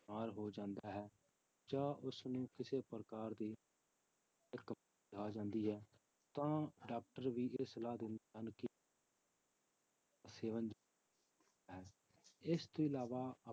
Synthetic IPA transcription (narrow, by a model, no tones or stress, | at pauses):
aːɾɦoːd͡ʒãːnd̪aːɦɛː | d͡ʒaːʔʊsnũːkɪseːpəɾəkaːɾd̪iː | əkə | kʰaːd͡ʒãːnd̪iːɦɛː | t̪ãːɖaːk̚ʈəɾʋiːʔeːsəlaːd̪ɪnd̪ənkɪ | seːʋənd͡ʒ | ɦɛː | ɪst̪õːɪlaːʋaːə